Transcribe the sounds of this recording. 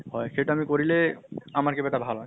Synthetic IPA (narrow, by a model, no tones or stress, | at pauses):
hɔeʃeʈaamikoɾileamaɾkebɛt̪abʱalɦɔe